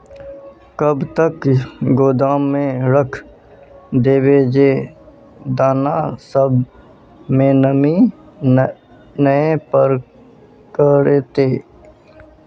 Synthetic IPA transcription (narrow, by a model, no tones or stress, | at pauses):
kəbt̪əkɡoːd̪aːmːẽɾəkʰ | d̪eːbeːd͡ʒeː | d̪aːnasəb | mẽːnəmi | nəẽpəɾ | kəɾeːt̪eː